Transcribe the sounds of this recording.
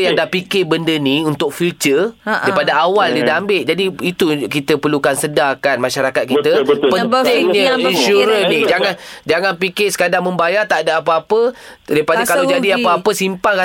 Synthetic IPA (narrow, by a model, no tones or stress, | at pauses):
jaŋdapikɪbəndəniunt̪ʊk̚filt͡ʃədaidpadaawaldidambɪʔd͡ʒadiit̪ukit̪əpərlukansədakanmaʃaɾakat̪̚kit̪əpət̪ɪŋɲəinʃuɾənĩd͡ʒaŋand͡ʒaŋanpikɪsə̥kadaŋmə̃mbajat̪aʔdaapəapədaipadakalad͡ʒadiapəapəsimpaŋka